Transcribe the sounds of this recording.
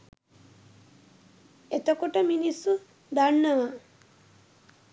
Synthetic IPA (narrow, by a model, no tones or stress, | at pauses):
et̪okoʈəminisːu | d̪aɳːəʋa